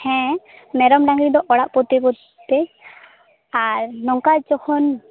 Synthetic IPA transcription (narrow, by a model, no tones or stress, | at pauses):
hɛ̃ | mɛɾɔmɖaŋɡɽid̪ɔʔɔɽaʔpɔt̪ebɔ | t̪ɛ | aɾnɔŋkat͡ʃɔkʰɔn